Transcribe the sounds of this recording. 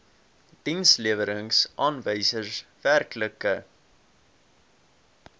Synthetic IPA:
d̥insliəvəɾəŋsʔɑːnvəjsərsværkləkə

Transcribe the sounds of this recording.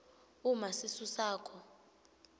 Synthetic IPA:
umasisusaːkʰɔ

